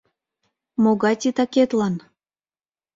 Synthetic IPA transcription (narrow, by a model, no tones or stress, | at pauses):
moɣɑt̪ʲit̪ɑket̪lɑn